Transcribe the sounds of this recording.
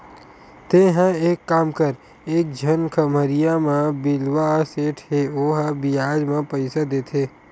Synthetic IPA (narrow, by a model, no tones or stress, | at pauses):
t̪ẽɦə̃eːkːaːmkəɾ | eːk̚d͡ʒʱənkʰəməɾɪijamãbɪlwaseːʈʰɦeoːɦabɪjaːd͡ʒmãpəɪsad̪eːt̪ʰeː